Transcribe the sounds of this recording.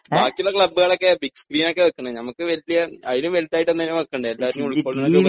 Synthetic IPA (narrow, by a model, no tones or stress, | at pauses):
aːkːulːɐkɭɐbːɨɣɐɭo̞kːe̞biɡskriːno̞kːeʋɐkːɐɳɨnɐmɐkːɨʋɐlːijɐɐðilumʋelit̪ːaːjiʈːenːɐnːumɐkːɐɳɖɨelːaːʋɐɾinumuɭkkːoːɭnːuː